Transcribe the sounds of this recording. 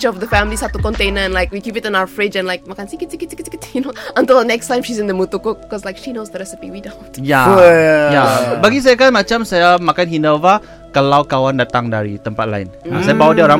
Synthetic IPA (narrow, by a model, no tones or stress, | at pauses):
t͡ʃɔfdəfãmlishatukɔ̃ntẽnəɛ̃nlaɪkwikipɪtɔ̃naʊəfɹɪd͡ʒɛ̃nlaɪk̚makãnsikitikitiktikitnoʔə̃ntɪlˠdənɛkstãɪ̃mʃizɪ̃ndəmutukʊk̚kɔslajkʃinozdəɹɛsəpḭwidõntja | jabaɡis̬ajakanmat͡ʃãmsajamakanhinɔvə | kalawkawandat̪ãŋdaɹit̪ə̃mpat̪̚la̰ɪ̰nasajabawdioɾã